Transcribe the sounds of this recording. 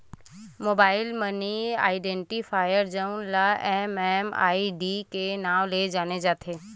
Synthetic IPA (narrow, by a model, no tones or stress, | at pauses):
moːbaːɪlmənia̰ːɪɖɛ̃ːɳʈifʰaːjəɾd͡ʒanlaɛːmɛːma̰ːiɖikenaːʋled͡ʒaːned͡ʒaːt̪ʰeː